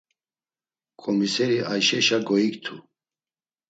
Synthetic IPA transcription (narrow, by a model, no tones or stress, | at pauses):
kʼɔmisɛɾiʔajʃɛʃaɡɔikt̪ʰu